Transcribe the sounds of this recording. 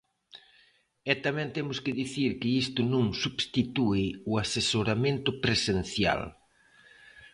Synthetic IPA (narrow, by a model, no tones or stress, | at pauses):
ɛt̪amɛ̃nt̪ɛmʊskɪðiθiɾkɪist̪ʊnõŋsubst̪it̪uɪʊasesoɾamẽnt̪ʊpɾesen̟θja̰l